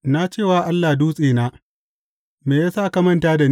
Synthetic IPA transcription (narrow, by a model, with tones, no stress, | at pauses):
na˦t͡ʃeː˦˨waː˨ʔa˦lːaː˨duː˦sʼeː˨naː˦ | meː˨jaː˦saː˦˨ka˦mɐ˦˨ntaː˦da˨n